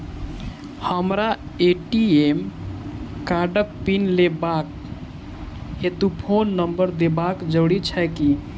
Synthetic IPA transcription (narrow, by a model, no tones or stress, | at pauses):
həmɾaeʈiem | kaɖək̚pinlebak̚ | et̪upʰonːəmbəɾd̪ebakd͡ʒəɽit͡ʃʰɛki